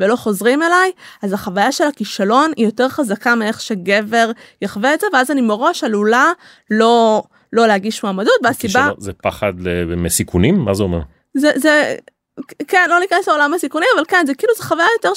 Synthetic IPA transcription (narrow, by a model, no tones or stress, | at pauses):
velo̞χo̞zʁime̞lajazaχavajaʃe̞lakiʃalo̞nijo̞te̞ʁχazakamee̞χʃeɡe̞ve̞ʁjaχveezeveazanimeʁoʃalula | lo̞ | lo̞leaɡiʃmaːmadutveasibazepaχad̪lemesikʰunimːa̰zeomeʁ | zeze | kenlo̞nikeseolamhasikunimavalkenzekiiːluzeχavajajo̞te̞ʁ